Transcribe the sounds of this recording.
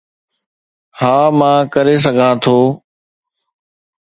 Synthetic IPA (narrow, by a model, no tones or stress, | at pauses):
hãːmãːkəɾes̬əɡʱãːt̪ʰoː